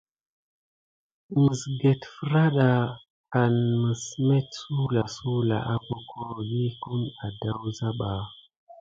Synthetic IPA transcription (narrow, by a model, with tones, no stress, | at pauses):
mə˨sɡe˨tfə˦ɾa˦ɗa˨ | a˨nmə˨sme˦tsu˦la˨su˦la̰˨ʔa˦ko˦kʰo˦ji˦ku˦na˨da˦wza˦ɓa˨